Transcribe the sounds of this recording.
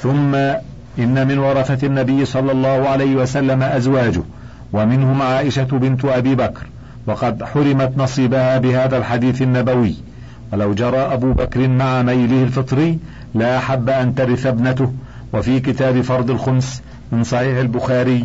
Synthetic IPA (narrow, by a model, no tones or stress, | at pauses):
θʊmːa | ʔɪnːamɪnwɑɾˤɑθaanːabɪjːsˤɑlːɑlˤːɑːhʊʕalajhɪwasalːamaʔazwaːd͡ʒʊh | wamɪnhʊmʕaːʔɪʃabɪnt̪ʔabiːbakɾ | wɑqɑd̪ħʊɾɪmat̪nɑsˤiːbahaːbɪhaːðalħad̪iːθanːabawɪjː | walawd͡ʒɑɾˤɑːʔabuːbakɾɪnmaʕamajlɪhɪlfɨt̪ˤɾɪjː | laʔaħabːaʔant̪aɾɪθabnat̪ʊh | wafiːkɪt̪aːbɪfɑɾˤd̪ˤɪlxʊms | mɪnsˤɑħiːħɪlbʊxaːɾɪj